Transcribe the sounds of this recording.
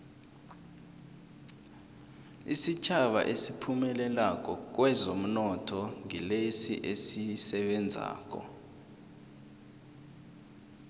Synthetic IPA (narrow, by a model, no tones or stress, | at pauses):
isit͡ʃʰaɓa̰ʔesipʰumɛlɛlak̬ʼɔk̬wɛzom̩nɔtʰɔŋilesḭʔesisɛɓɛnd͡zʱa̰ːk̬ʼɔ̰